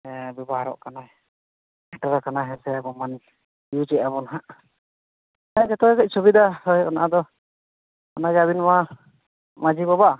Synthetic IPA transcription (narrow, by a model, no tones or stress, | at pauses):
bɛbaɦaɾɔ̰ʔkana | ɛʈaɾakanaɦɛsɛabɔmani | iut͡ʃɛʔ̚abɔnaɦaʔ | ad͡ʒɛt̪ɔɛkɛc̚ˀsubid̪ahɔjɔ̰naʔad̪ɔ | ɔnaɡɛaβinma | mad͡ʒibabaʔ